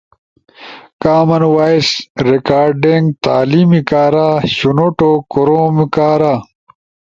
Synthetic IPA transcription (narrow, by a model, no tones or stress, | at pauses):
kaːmɐnwaːisɾekaːɾɖeŋɡ̚t̪a̰ːlimikaːɾaːɕunoʈokoɾoːmikaːɾaː